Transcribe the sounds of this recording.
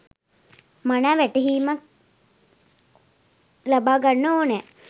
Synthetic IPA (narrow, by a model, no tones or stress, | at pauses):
manaːʋæʈəɦiːmak̚ | labaːɡanːəoːnɛː